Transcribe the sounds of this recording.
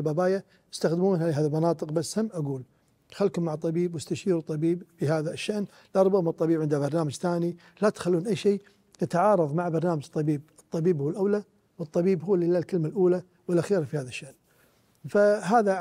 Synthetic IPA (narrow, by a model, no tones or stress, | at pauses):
lbabaːja | ɪst̪axd̪muːnhalɪɦaːðilmanɑːt̪ˤɨqbasːhamːʔaɡuːl | xalkʊmːaʕt̪ˤːɑbiːbwɪst̪aʃiːɾut̪ˤːɑbiːbfiɦaːðaʃːaʔn | lʔɑɾˤbɑɣmɨt̪ˤːɑbiːbʕɪnd̪abɑɾˤnaːmad͡ʒθaːni | lat̪xalːuːnʔajːʃeː | at̪ʕɑːɾˤɑðˤmaʕbɑɾˤnaːmad͡ʒt̪ˤːɑbiːb̚ɨt̪ˤːɑbiːbhʊwːlʔawla | wɨt̪ˤːɑbiːbɦʊːlɪlːalkəlmalʔuːla | wəlʔaxiːɾfihaːðaʃːaʔn | faɦaːða